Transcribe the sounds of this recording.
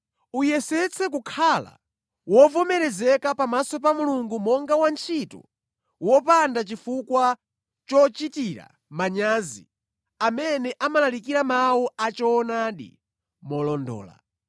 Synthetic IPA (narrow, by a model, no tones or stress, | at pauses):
ujɛsɛt͡sʰɛk̬ukʰala̰ | wɔvɔmɛɾɛzɛkapamasɔpamuluŋɡumɔŋɡawant͡ʃʰitɔ̰ | wɔpandat͡ʃifukwa | t͡ʃɔt͡ʃitiɾa̰ | maɲaːzḭ | amɛnɛʔamalalikiɾamawɔat͡ʃɔːnaɗḭ | mɔlɔndɔ̰ːla̰